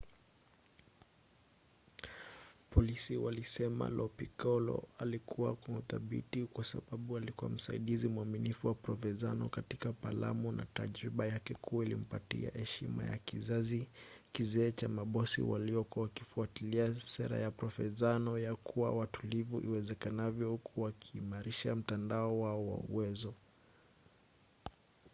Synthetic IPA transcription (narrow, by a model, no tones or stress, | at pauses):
pʰɔlisiwalisɛma̰lɔpikɔlɔ̰alikʰuwa̰kwahuθaɓḭtikwasaɓaɓualikuwam̩saiɗizimwaminifuwapɾɔfɛzanɔkatikapala̰muna̰taʄɾiɓajakɛkʰuailim̩patḭa̰hɛʃima̰ja̰kizazikizɛːt͡ʃamaɓɔsḭwa̰liɔkɔwakifuatiliasɛɾa̰japɾɔfɛzanɔjakʰuwa̰watulivuʔiwɛzɛkanavjɔhukʰuwakʰiːmaɾiʃam̩tandaɔwaɔwa̰uwɛzɔ